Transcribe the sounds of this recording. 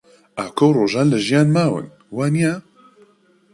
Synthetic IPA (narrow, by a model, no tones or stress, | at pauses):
aːkʰowroːʒɑːnlɨʒijaːnmaːwɨ̰n | waːnija